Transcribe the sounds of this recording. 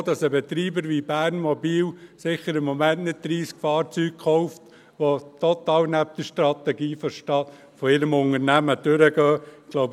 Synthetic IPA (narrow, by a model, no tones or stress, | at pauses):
dɑsəbɛt̪ɾiːbəɾʋibæːɾnmɔbiːwsɪχəɾɪmːɔmæntnɪt̚d̪̥ɾiːskfɑːɾt͡syːk̚kʰχɔʊft | ʋot̪ɔt̪ɑːwnæp̚d̥̪əʃtɾɑt̪ɛɡiːfɔʃtɑ | fɔɪɾəmʊŋəɾnæməd̥øɾəɡœːɡ̥loʊb